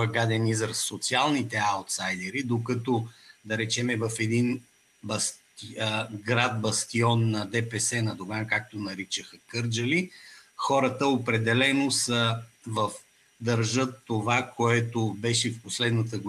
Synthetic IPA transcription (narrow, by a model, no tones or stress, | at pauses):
əɡad̪ɛnizəɾsot̪sialˠnit̪ɛaʊt̪sajd̪ɛɾid̪okət̪ɔd̪ɐɾɛt͡ʃɛmɛvəfɛd̪in | bɐs | iɡɾad̪̚bɐst̪iɔnːɐd̪ɛpɛsɛnɐd̪oɡankak̚t̪onɐɾit͡ʃəxəkɤɾd͡ʒəlixɔɾət̪əopɾɛd̪ɛlɛnosə | vəf | d̪ɐɾʒət̪ːovakoɛt̪obɛʃɛfposlɛd̪nət̪əɡo